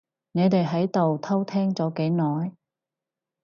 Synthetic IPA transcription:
ne˨˧jt̪e˨jɦɐ˨˥jt̪o˨wt̪ʰɐ˥wt̪ʰɛː˥ŋt͡sɔː˨˥ke˨˥jnɔː˨j

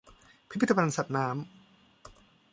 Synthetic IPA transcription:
pʰi˦˥pʰi˦˥t̪ʰːa˧pʰa˧nsa˨˩t̪̚naː˦˥m

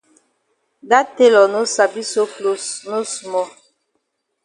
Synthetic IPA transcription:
da˦te˦lɔ˨no˦sa˨bi˦so˦klo˦sno˦su˨mɔ˦

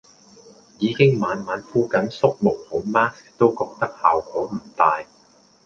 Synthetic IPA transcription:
jiː˨˧kɪ˥ŋmaː˨˧nmaː˨˥nfuː˥kɐ˨˥nsʊ˥k̚mʊ˨˩k̚hʊ˨˥maː˥s | t̪o˥wkɔː˧k̚t̪ɐ˥k̚haː˨wkɔː˨˥m̩˨˩t̪aː˨˧j

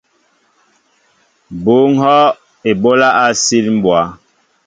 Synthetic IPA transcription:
bo˨˦ŋ̩˦hɔ˦ | e˨bo˦la˦ʔa˦si˦lm̩˦bwa˨˦

